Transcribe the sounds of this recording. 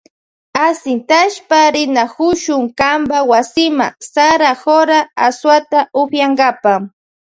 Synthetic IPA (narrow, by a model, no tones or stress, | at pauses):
asɪnt̪aʃpaɾɪnahʊʃʊŋkambawasɪma̰saɾahoɾaaswat̪aʊxjaŋɡapa